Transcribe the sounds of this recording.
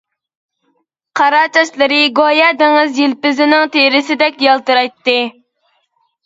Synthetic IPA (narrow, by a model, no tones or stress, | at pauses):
qʰɑɾɑːt͡ʃ̪ʰɛslˠɪɾɪɡojɛd̪eŋɪzjilpɪzɪnɪŋt̪ʰeɾɪsɪd̪ɛkʲjɑlˠt̪ɨɾɑjt̪ːɨ